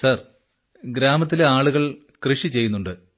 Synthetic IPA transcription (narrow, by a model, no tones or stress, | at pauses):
sɐr | ɡɾaːmɐt̪̬ːileaːɭuɣɐɭ | krɨʂit͡ɕe̞jːunːuɳɖɨ